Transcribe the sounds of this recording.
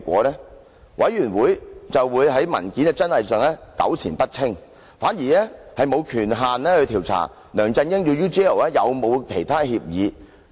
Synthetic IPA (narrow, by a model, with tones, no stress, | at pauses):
kʷɔ̰ː˨˧˥lɛː˥ | wʔɐ˨˧˥jɥyː˨˩nwuː˨˥jt͡sɐ˨wwuː˨˧jɦɐ˨˥jmɐ̰˨˩nkiː˨˥nɛ˧t͡sɐ˥nhɐ˨jsœː˨˧ŋlɛː˥kɐ̰˨˥wt͡sʰiː˨˩npɐ˥t̚t͡sʰɪ˥ŋ | faː˨˥njiː˨˩lɛː˥hɐ˨jmo˨˧wkʰyː˨˩nɦaː˨nlɛː˥hɵ˧t̪ʰiː˨˩wt͡sʰa̰˨˩ | lœː˨˩ŋt͡sɐ˧njɪ˥ŋjyː˧jyː˥t͡ʃɛː˥o˨˩wɛː˥jɐ˨˧wmo˨˧wkʰe˨˩jt̪ʰaː˥hiː˧p̚jiː˨˧